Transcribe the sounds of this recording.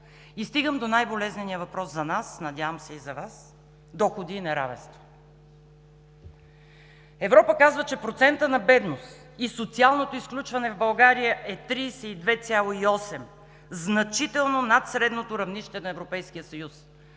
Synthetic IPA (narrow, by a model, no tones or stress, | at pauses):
ist̪iɡəmd̪onajbolɛznɛnijəvɐpɾɔszɐnasnɐd̪ʲavəmsɛizɐvas | d̪ɔxod̪iːnɛɾa̰vɛ̰nst̪vo̥ | ɛvɾɔpəkazvət͡ʃɛpɾot̪sɛnt̪ənɐbɛd̪nost̪ | isot̪sialˠnot̪oisklʲut͡ʃvɐnɛvbɐlˠɡaɾijəʔɛt̪ɾiːsɛid̪vɛt̪sʲalˠoiɔsɛm | znɐt͡ʃit̪ɛlˠnonat̪sɾɛd̪not̪oɾɐvniʃt̪ɛnɐɛvɾopɛjskʲijəsɐjus